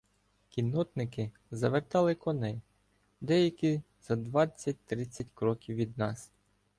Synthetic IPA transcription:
kʲinɔt̪nɪkɪ | zɐʋert̪ɑlˠɪkɔnɛj | d̪ɛjɐkʲi | z̥ɐd̪ʋɑt͡sʲːɐt̚ʲt̪ɾɪt͡sʲːɐtʲkɾɔkʲiwʋʲːid̪̚nɑs

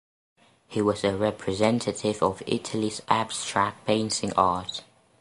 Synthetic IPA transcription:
hiwɒzəɹɛpʰɹɪzɛ̃ntʰətʰɪvəvɪ̰tʰəlizab̥stɹ̥ak̚b̥ẽɪ̃nsɪ̃ŋʔɑːˑt

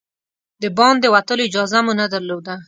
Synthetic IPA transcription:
d̪əbɑnd̪əwat̪əloɪd͡ʒɑzamunad̪aɾlod̪a

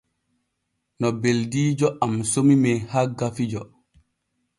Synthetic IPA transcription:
nɔbeldiːd͡ʒɔʔamsomimɛhaɡafid͡ʒɔ

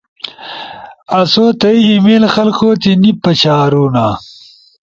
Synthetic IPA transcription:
ɐsoːt̪ɐjːmelxɐlkoːt̪inipːɐt͡ɕaːɾuːnaː

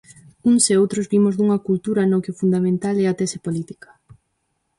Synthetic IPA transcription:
uŋseowt̪ɾozbimʊzd̪uŋɐkult̪uɾɐnokɪʊfund̪amẽnt̪alɛɐt̪ɛsepolit̪i̥kɐ̥

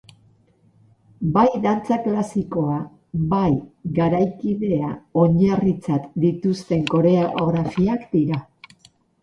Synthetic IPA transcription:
bajðant͡saklasiko̞a | bajɣaɾajkiðe̞ao̞ɲarit͡sat̪d̪it̪ust̪e̞ŋko̞ɾe̞aoɣɾafiakd̪iɾa

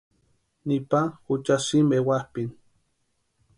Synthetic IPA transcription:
nipaut͡ʃasimewahpin

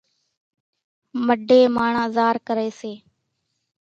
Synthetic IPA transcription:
məɖʱeːmaːɳãːzaːɾkəɾeːseː

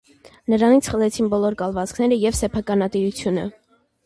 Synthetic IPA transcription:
nəɾɑnit͡sʰχəlɛt͡sʰinbɔlɔɾkɑlvɑt͡skʰnɛɾəjɛvsɛpʰɑkɑnɑt̪iɾut͡sʰjunə̰

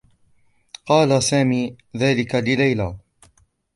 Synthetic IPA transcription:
qɑːlasaːmiː | ðaːlɪkalɪlajlaː

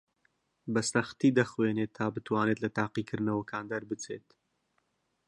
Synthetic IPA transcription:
bɐsɐxt̪iːd̪ɐxweːnet̪ʰːaːbɨt̪waːnet̪lɐt̪aːqikʰɨɾnɐwɐkʰaːnd̪ɐɾbɨt͡sʰeːt̪

